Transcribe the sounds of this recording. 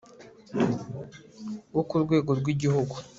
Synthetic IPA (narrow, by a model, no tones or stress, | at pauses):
wokuɾɡwe̞ːɡo̞ɾɡwiɟihuɡu